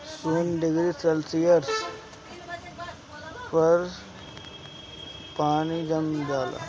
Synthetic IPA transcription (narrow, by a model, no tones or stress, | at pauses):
skuːnɖɪɡɾisɛlsijəɾs | pɐɾ | paːnid͡ʒɐmd͡ʒaːla̰ː